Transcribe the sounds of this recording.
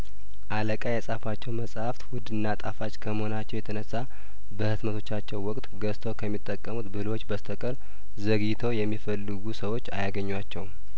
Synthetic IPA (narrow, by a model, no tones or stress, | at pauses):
ʔaləkʼajɛsʼafat͡ʃːɛwməsʼhaft̪wʊd̪ɨnːat̪ʼafat͡ʃkʰəmho̞nat͡ʃːɛwjɛt̪ʰənəsːa | bəhɨt̪mət̪ʰo̞t͡ʃːat͡ʃːɛwːɔkʼt̪ʼɡəst̪ʰowkʰəmːit̪ʼːəkʼːəmut̪bɨɨlwo̞t͡ʃːbəst̪ʰəkʼəɾ | zəɡit̪ʰəwjɛmːifəlːɨɡusəwo̞t͡ʃːajaɡəɲːwat͡ʃːɛwu